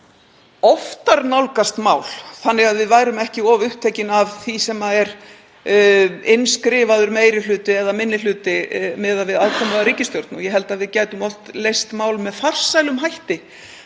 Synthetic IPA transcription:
ɔft̪aɾnawlkast̪maːwlθanːɪɣaðvɪðvaːjɾʏmɛhcɪɔvʏhp̚t̪ʰejcɪnavθisɛmːaðɛɾ | ɪnskɾɪːvaðʏɾmejɾɪlʏːt̪ɪɛðamɪnːɪlʏːt̪ɪmɪðaðvɪðaðkʰɔmaðaɾiːcɪst̪jɔɾt̪nɔjɛɦɛlt̪aðvɪðcɛːt̪ʏmɔht̪leːjst̪maːwlmɛðfar̥sajlʏmɦajht̪ɪ

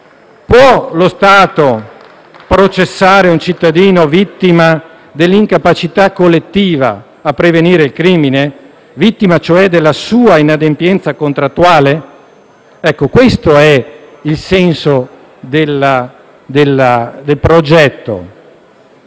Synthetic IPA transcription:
pwɔlost̪aːt̪o | pɾot͡ʃesːaːɾeunt͡ʃit̪ːad̪iːnovit̪ːima | d̪elːiŋkapat͡ʃit̪akːolːet̪ːiːva̰ː | pːɾeveniːɾeilkɾiːmine | vit̪ːimat͡ʃoɛd̪elːasuːainad̪empjɛnt̪sakont̪ɾat̪ːwaːle | ɛkːokwest̪oɛilsɛnso | d̪ela | d̪elːad̪elpɾod͡ʒɛt̪ːo̰

